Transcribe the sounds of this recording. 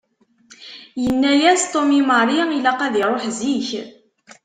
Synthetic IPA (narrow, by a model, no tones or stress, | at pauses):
jənːæjæst̪ˤomiməɾˤiilæqæðiɾˤoħziç